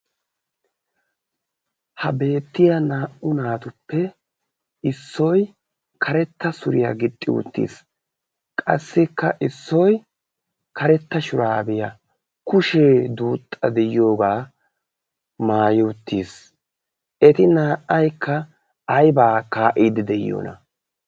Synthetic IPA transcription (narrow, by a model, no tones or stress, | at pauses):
hɐbe̞ːt̪ːɪjɐnaːʔʊnaːt̪ʊpːɛ | ɪsːɔj | kʰɐɾɛt̪ːɐsʊɾɪjɐ̰ɡɪt̪ʼːɪ̰wʊ̰t̪ːḭːs | kʼɐ̰sːɪkːɐʔɪsːɔj | kɐɾɛt̪ːɐʃʊɾaːbɪjɐ | kʊʃeːd̪uːt̪ʼːɐd̪ɛjjo̞ːɡaː | maːjɪʊt̪ːiːs | ʔɛt̪ɪnaːʔːɐjkʰːɐ | ɐjbaːkaːʔiːd̪ɪd̪ɛj̰jo̰ːnʔɐ̰